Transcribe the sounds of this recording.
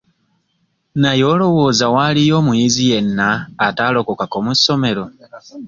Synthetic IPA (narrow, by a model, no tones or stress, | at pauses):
najo̞ːlo̞wo̞ːzawalijo̞ːmujizije̞nːaːtalo̞kokakomusːo̞me̞ɾo̞